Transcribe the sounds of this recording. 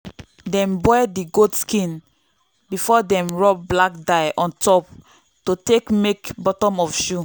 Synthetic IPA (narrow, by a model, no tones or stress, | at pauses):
dɛ̃mbɔjdiɡodskĩn | bifɔdɛ̃mɹɔp̚blak̚daɪʔɔ̃ntɔp̚ | totekmekbɔtɔ̃mɔfʃu